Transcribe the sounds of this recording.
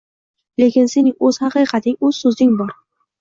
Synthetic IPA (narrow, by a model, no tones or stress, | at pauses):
le̞kʲɪnse̞nɪŋɵz̥hɑqɨqʰɑt̪ʰɪŋɵz̥sɵzɪŋbɒɾ